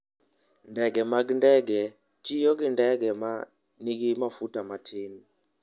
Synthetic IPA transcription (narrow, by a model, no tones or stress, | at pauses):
ndɛɡɛmak̬indɛɡɛ | tʰʼijɔk̬indɛɡɛma | nik̬imafutʼamatʰeːni